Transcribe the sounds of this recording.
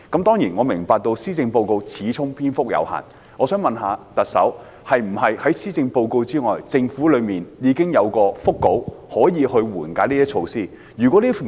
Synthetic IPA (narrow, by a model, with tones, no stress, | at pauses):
kɐ˨˥mt̪ɔː˥ŋjiː˨˩nŋɔː˨˧mɪ˨˩ŋpaː˨˧k̚t̪o˧wsiː˥t͡sɪ˧ŋpo˧wko˧wt͡sʰiː˨˥t͡sʰʊ˥ŋpʰiː˥nfʊ˥k̚jɐ̰˨˧wha̰ː˨˩n | ŋɔː˨˧sœː˨˥ŋmɐ˨nɦaː˨˧t̪ɐ˨t̚sɐ̰˨˥w | hɐ˨jm̩˨˩hɐ˨jhɐ˨˥jsiː˥t͡sɪ˧ŋpo˧wko˧wt͡siː˥ŋɔː˨jt͡sɪ˧ŋfuː˨˥lɵ˨˧miː˨njiː˨˧kɪ˥ŋjɐ˨˧wkɔː˧fʊ˥kːo˨˥whɔː˨˥jiː˨˧hɵ˧ɥwuː˨˩nkaː˨˥nliː˥jɐ˥t͡ʃʰo˧wsiː˥˩ | jyː˨kʷɔ˨˥liː˥f